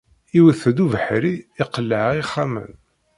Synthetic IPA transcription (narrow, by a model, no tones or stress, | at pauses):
iwəθd̪uvəħɾiːqəlːəʕʁiχːamə̰n